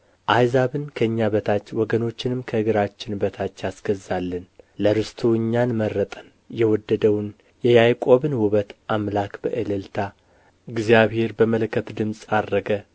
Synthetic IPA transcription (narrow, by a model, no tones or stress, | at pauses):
ʔajzaβɨnkʰəɨɲːaβət̪ʰat͡ʃːwɔɡəno̞t͡ʃːɪnɨmkʰəɨɡɨɾat͡ʃːɪnbət̪ʰat͡ʃːjasɡ̥əzːalːənləɾɨst̪ʰuɨɲːanmərːət̪ʼən | jɛwɔd̪ːəd̪əwn | jɛjajkʼo̞βɨnwuβət̪ʔamlakbə̰ʔɨlɨlt̪ʰa | ɡzijaβhe̞ɾbəməlkʰːət̪d̪ɨmsʼarːəɡə